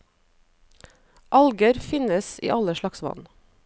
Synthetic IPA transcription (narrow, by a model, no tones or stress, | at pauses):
ʔɑlɡəɾfɪnəsḭːʔɑləʃlɑksʋɑ̰n